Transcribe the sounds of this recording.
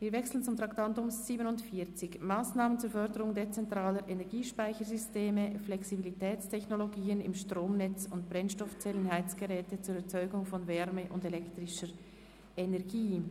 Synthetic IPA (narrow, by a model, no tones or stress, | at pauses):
viːvɛksl̩ən̩t͡sʊmtʁaktantʊmz̥iːbənʊntfiːɐt͡sɪçmaːsnaːmənt͡suːɐfœʁdəʁʊŋdet͡sɛntʁ̥aːləɾʔenɛɐɡiːʃpaɪçəɾzysteːməflɛksibilitʰɛːt͡stʰɛçnoloɡiːənɪmʃtʁoːmnɛt͡sʊntb̥ʁɛnʃtɔft͡sɛlənhaɪt͡sɡ̥əʁɛːtət͡suːɾɛɐt͡sɔʏɡʊŋfɔnvɛʁməʔʊndelɛktʁɪʃəɾ | enɛɐɡiː